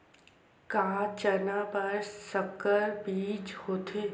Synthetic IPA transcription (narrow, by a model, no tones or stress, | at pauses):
kãːt͡ʃənapɐɾsəkəɾbiːd͡ʒhoːt̪ʰe